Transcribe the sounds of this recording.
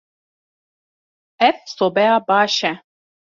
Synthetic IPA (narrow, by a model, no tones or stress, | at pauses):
ɛfsobɛjabaːʃɛ